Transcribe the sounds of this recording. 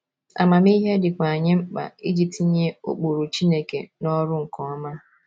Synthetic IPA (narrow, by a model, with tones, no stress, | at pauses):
a̰˨ma˨mi˦ɦe˦dɪ˨kʷa˨ɲɪ˦m̩˦k͡pa̰˨i˦d͡ʒi˨p̚ti˨˦ɲe˦o̰˦k͡pu˨ɾu˨t͡ʃi˦ne˦kḛ˨nɔ˦ɾʊ˦ŋ̩˨kɔ˨ɔ˦ma˦